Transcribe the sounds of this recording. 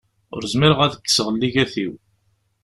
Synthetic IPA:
ʊ̰ɾəzmiɾəʁæðəkːə̥səʁəlːiʝæθiw

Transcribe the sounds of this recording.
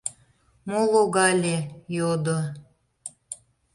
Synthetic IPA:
molˠoɣɑlʲejod̪o

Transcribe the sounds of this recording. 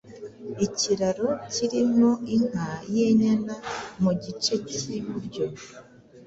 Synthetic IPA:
iciɾaɾociɾimo̞iŋ̥ajeɲanamuɟit͡ʃe̞ciβuɾɟo̞

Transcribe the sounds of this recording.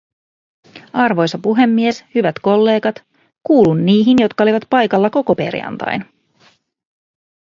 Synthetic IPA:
ɑrʋo̞jsɑpuɦe̞mːie̞shyʋæt̪ko̞lːe̞ːɡɑt̪ | kuːlunːiːɦinjo̞t̪kɑo̞liʋɑt̪pɑjkɑlːɑko̞ko̞pe̞̰rjɑ̰nt̪ɑ̰jn

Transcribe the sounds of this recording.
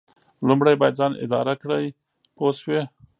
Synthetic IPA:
lʊmɽajbɑjad̪zɑnɪ̰d̪ɑ̰ɾakɽəj | poswe

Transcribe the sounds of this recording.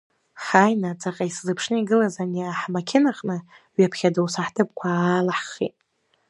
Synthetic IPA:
ħajnat͡sʼaqʼaiszɨpʰʂnɨiɡɨlazaniaħmakʲʰɪnaχʼnɨ | ɥapʰχʲadawsaħtʰɨp̚kʷʰaːlaħχḭtʼ

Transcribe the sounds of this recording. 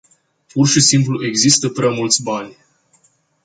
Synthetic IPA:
purʃisimpluʔe̞ɡzist̪əpɾeamult̪sʲbanʲ

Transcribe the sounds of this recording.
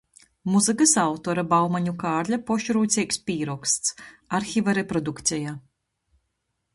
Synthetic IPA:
muzɨkasawt̪ɔɾabawmaɲukaːɾʎʲapɔʃɾuːt̪sʲiːkspiːɾɔkst̪saɾxʲivaɾepɾɔd̪ukt̪sʲɛja

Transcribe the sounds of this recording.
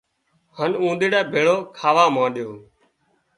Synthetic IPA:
hənũːnd̪iːɽɛːbʱeːɭoːkʰaːʋaːmãːɗɪjoː

